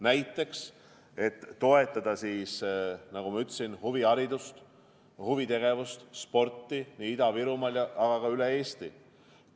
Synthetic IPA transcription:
næjt̪ːˑe̞ks | e̞t̪ːo̞e̞t̪ːˑɑd̪̥ɑsiːsnɑɡ̥umɑyt̪ːˑsinhuviɑɾid̪ust̪ | huvit̪e̞ɡ̥e̞vust̪spo̞rt̪ːˑiniid̪̥ɑviɾumɑljɑɑɡ̥ɑkɑylee̞ːst̪i

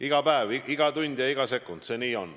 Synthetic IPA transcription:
iɡ̥ɑpæeviɡ̥ɑt̪unʲd̪̥jɑiɡ̥ɑse̞kːˑund̪̥se̞ːniːo̞n

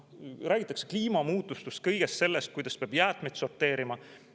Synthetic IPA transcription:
rʔæːɡ̥ʲit̪ːˑɑkse̞̥kliːmɑmuːt̪ːˑust̪ust̪̚kɤ̞jɡ̥est̪se̞lːest̪̚kujd̪̥ɑspeɑb̥jæːt̪ˑmejt̪so̞rt̪ːe̞ːɾimɑ

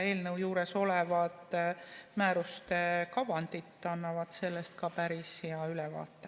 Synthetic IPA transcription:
e̞ːlnɤwjuːɾeso̞lɛvɑd̪̥mæːɾust̪e̞kɑvɑnd̪̥it̪ːˑɑnːɑvɑd̪̥se̞lːest̪̚kɑpæɾisjɑylɛvɑ̰ːt̪ːˑe

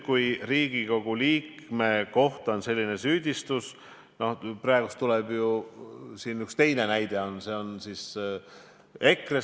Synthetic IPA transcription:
kujriːɡ̥iko̞ɡ̥uliːkme̞ko̞ht̪ɑo̞nse̞lʲːine̞syːd̪̥ʲist̪us | no̞hprɑeɡ̥ust̪ulɛb̥jusiːnykst̪e̞jne̞næjd̪̥e̞o̞nse̞ːo̞nsis | e̞kre

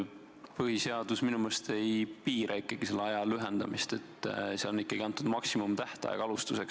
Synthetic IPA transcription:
pɤhise̞ɑd̪̥usminumest̪ʰe̞jpiːɾʔɑikˑːɑɡ̥ise̞lːeɑjɑlyɦend̪̥ɑmist̪e̞t̪ːˑseɑlonikːˑɑɡiɑnt̪ːˑud̪mɑksimumt̪æht̪ɑ̰jɑ̰kɑlust̪use̞ks

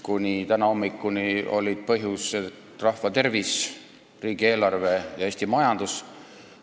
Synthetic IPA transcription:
kunʲit̪ænɑo̞mːikːunio̞̰lʲːid̪̥̚pɤɦjuse | rɑhvɑt̪e̞rvis | riːɡ̥ie̞ːlɑrve̞jɑe̞ːsʲt̪imɑjɑnd̪̥us

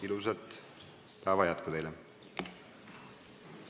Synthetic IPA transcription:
iluset̪ | pæːvɑjæt̪kud̪ejle

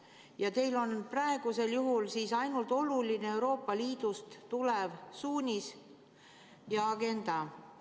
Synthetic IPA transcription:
jɑt̪e̞jlo̞nprɑe̞ɡ̥use̞ljuɦulsiːsɑjnult̪ˑo̞lulineewɾo̞ːpːˑɑliːd̪̥ust̪t̪ule̞vsuːnʲis | jɑɑɡ̥e̞nd̪̥ɑ

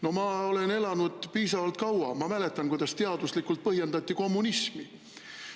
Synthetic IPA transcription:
no̞mɑo̞le̞ne̞lɑnud̪̥piːsɑvɑlt̪̚kɑwɑmɑmæle̞t̪ːˑɑnkujd̪̥ɑst̪e̞ɑd̪̥uslikːˑult̪̚pɤɦjend̪ɑt̪ʲːiko̞mːunismi

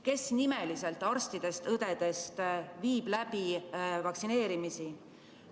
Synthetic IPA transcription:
ke̞snime̞lise̞lt̪ːˑɑrst̪id̪̥e̞st̪ɤd̪̥e̞d̪̥e̞st̪viːb̥læb̥ivɑksine̞ːɾimisi

